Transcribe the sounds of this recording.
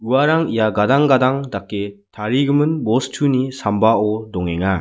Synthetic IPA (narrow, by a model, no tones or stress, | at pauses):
ɯwaɾaŋijaɡadaŋɡadaŋdak͈ːetaɾiɡɯmɯnbostʰunisambaodoŋeŋa